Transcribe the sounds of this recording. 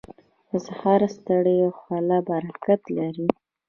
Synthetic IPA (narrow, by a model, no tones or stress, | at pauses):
ɪzahɑɾast̪əɽəjoxwɑlabaɾakat̪laɾi